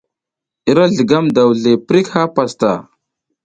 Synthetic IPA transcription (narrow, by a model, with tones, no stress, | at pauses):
i˦ɾa˦ɮə˨ɡa˦mda˨wɮe˨pɾi˦kha˦pa˨sta̰˨